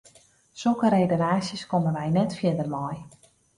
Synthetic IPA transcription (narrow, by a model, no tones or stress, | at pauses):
sokəɾejdəlaːsjəskoməʋɛjnɛtfjɪdərmɔj